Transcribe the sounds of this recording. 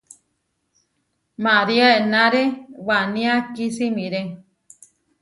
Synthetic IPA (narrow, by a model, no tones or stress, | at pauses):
maɾiaenãɾewanĩakisimĩɾe